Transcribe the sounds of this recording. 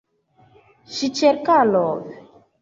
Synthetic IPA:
ʃit͡ʃɛɾkalɔːvɛ

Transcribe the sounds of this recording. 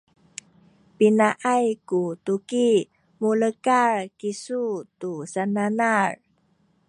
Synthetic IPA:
pinaʔajkutuki | muləkarkisutusananar

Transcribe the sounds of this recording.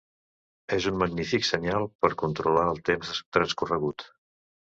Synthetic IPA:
ezunməɡnifiksəɲalˠpəɾkunt̪ɾulaəlˠt̪emzt̪ɾənskurəɣut̪

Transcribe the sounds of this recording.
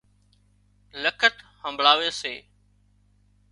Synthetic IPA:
ləkʰət̪hə̃mbʱɭaːʋeːseː

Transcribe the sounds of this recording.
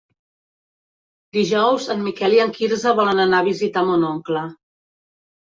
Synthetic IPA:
d̪iʒɔwzənmikɛliəŋkiɾzəβɔlənənaβizit̪amonɔŋklə

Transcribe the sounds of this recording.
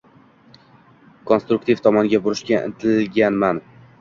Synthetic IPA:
kʰonst̪ɾuk̚t̪ʰift̪ʰɒmɒnɡʲabʊɾɪʃkʲaʔɪ̰nt̪ʰɪlɡʲanman

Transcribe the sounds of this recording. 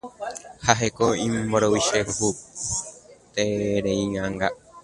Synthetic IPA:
haɦekoĩmboɾowiʃekoɦu | t̪eɾeiŋaŋɡa

